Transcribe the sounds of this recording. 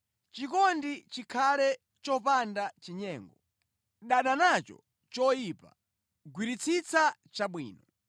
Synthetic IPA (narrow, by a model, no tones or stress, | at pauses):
t͡ʃikɔndit͡ʃikʰalɛ | t͡ʃɔpandat͡ʃiɲɛːŋɡɔ | ɗaɗanat͡ʃɔ̰ | t͡ʃɔjipa̰ | ɡwiɾit͡sʰit͡sʰat͡ʃaɓwḭːnɔ